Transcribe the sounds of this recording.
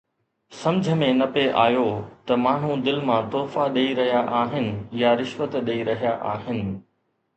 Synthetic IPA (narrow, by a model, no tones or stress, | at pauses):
sɐ̃md͡ʑʱəmẽnɐpeʔaːjot̪ɐmaːɳ̤ũd̪ɪlmãt̪oːfaɗeiɾɐɦijaʔaːɦɪnɪ̆jaɾɪʃʋət̪ɗeiɾɐɦijaʔaːɦɪnɪ̆